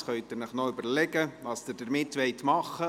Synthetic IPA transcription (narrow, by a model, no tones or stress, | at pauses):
χœʏtɪɾnəχnɔoʏbəɾlɛɡəʋɑːsd̥əɾd̥əɾmɪtːʋɛɪtmɑχːə